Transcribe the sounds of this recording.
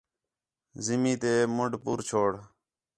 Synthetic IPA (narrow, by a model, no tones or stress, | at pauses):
zɪmĩːt̪eːmʊɳɖpuːɾt͡ʃʰoːɽ